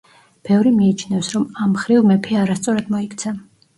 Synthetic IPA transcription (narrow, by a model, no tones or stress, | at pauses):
b̥ɛvɾimiːt͡ʃʰnɛfsɾɔmamχɾivmɛpʰiaɾast̪sʼɔɾad̪mɔikʰt̪sʰa